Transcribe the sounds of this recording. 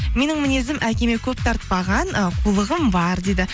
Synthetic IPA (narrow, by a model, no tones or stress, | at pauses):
me̞nɪŋmɪne̞zɪmʔækʲe̞me̞kʲʰɵp̚t̪ʰɑɾt̪əpɑʁɑnəqʰulˠəʁəmbɑɾd̪e̞d̪ɪ